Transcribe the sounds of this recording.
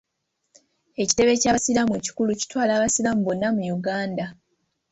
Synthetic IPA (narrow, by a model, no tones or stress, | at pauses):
e̞ci̥te̞βe̞caːβasilamweci̥kuluci̥twaːlaːβasilamuβo̞nːamujuɡaːnda